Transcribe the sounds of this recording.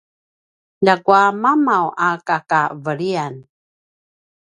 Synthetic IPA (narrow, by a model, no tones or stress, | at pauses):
laɡuamamawakakavəɭian